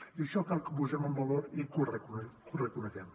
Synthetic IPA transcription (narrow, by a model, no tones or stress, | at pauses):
iʃɔkalkəpuzɛməmbaloɾikurəkunkurəkunəɣɛm